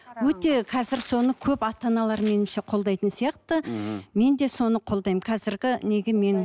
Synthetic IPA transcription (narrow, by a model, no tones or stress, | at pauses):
wɵt̪e̞qʰɑzɪɾso̞nəkʲʰɵpɑt̪ɑnɑlˠɑɾme̞nɪmʃe̞qʰo̞ld̪ɑjt̪ənsijɑqt̪əme̞nd̪e̞so̞nəqʰold̪ɑjmqʰɑzɪɾɡʲɪne̞ɡʲɪme̞n